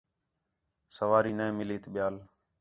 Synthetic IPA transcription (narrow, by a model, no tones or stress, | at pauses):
səʋaːɾiːnẽẽmɪleːt̪ɓɪjaːl